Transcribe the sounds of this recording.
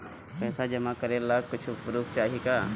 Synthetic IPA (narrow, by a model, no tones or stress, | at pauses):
pɛːsad͡ʒɐmakɐɾelaːkʊt͡ʃʰpɾuːp̚t͡ʃaːɦika